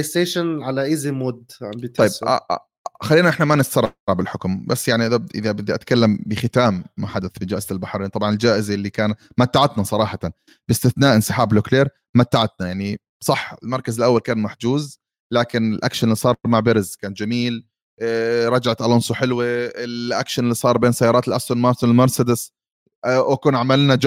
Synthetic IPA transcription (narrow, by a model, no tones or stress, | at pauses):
est̪eːʃanʕalaʔɪzimʊd̪ʕambit̪ˤɑjːa̰ | xalːiːnaʔɪħnamanɪst̪ːɑɾˤːɑʕbɪlħʊkʊmbasːjaʕniʔɪðaʔɪ̰ðabɪd̪ːiʔat̪kalːambɪxɪt̪aːmːaħad̪aθbɪd͡ʒaːʔɪz̥albaħɾˤiːnt̪ˤɑbʕɑnɪld͡ʒaːʔɪzaʔlːikaːn | mat̪ːaʕat̪nasˤɑɾˤɑːħɑt̪an | b̥ɪst̪ɪθnaːʔɪnsˤɨ̥ħaːblʊkleːɾ | mat̪ːaʕat̪̚najaʕni | sˤɑħːɪlmɑɾˤkazɪlʔawːalkaːnmaħd͡ʒ̪uːz | laːkɪnɪlʔa̰kʃanɪlːisˤɑːɾˤɾˤmaʕbɪɾɪzkaːnd͡ʒamiːl | ɾˤɑd͡ʒaʕat̪ʔalʊnsˤuħɪlwiɪlʔa̰kʃanɪlːisˤɑːɾˤbeːnsajːɑːɾɑːt̪lʔast̪oːnmɑːɾsʊnɪlmɑɾˤsad̪ɪs | ʔʔkuːnʕamalːnad͡ʒ